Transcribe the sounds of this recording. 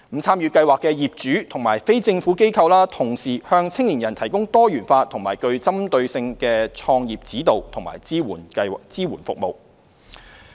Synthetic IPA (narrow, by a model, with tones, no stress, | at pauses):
m̩˨˩t͡sʰaː˥mjyː˨˧kɐ˧jwaː˨kːɛː˧jiː˨p̚t͡ʃyː˨˥t̪ʰʊ˨˩ŋma̰ː˨˩jfe˥jt͡sɪ˧ŋfuː˨˥ke˥jkʰɐ˧wlaː˥t̪ʰʊ˨˩ŋsiː˨˩hœː˧ŋt͡sʰɪ˥ŋliː˨˩njɐ˨˩nt̪ʰɐ˨˩jkʊ˥ŋt̪ɔː˥jyː˨˩nfaː˧t̪ʰʊ˨˩ŋmaː˨˩jkɵ˧ɥt͡sɐ˥mt̪ɵ˧ɥsɪ˧ŋkɛː˧t͡ʃʰɔː˧ŋjiː˨p̚t͡siː˨˥t̪o˨wt̪ʰʊ˨˩ŋma̰ː˨˩jiː˥wuː˨˩n˧t͡siː˥wuː˨˩nfʊ˨k̚mo˨w